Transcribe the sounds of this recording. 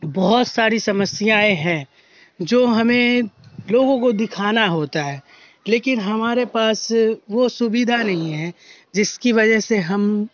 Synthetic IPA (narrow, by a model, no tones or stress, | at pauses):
bɔɦʊt̪saːɾisɐməsjaːeɦɛ̃ | d͡ʒoːɦɐmẽloːɡõkod̪ɪkʰaːnaɦoːt̪aɦɛː | leːkɪnɦɐmaːɾepaːsʋosʊbid̪ʱanɐɦĩɦɛ̃ | d͡ʒɪskiʋɐd͡ʒəɦseɦɐm